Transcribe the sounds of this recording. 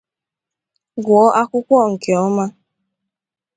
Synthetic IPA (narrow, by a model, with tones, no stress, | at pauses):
ɡʊ˨ɔ˦ʔa˦kʷʊ˦kʷɔ˦˨ŋ̩˨ke˨ɔ˦ma˦